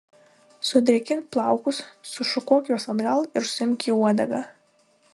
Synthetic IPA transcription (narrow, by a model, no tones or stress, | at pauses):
sudrʲakʲʰɪnpʰlˠawkʷʊssuʂʊkʷʰokʲʼwasamrʲalirsɪmkʲʰiwadaɡa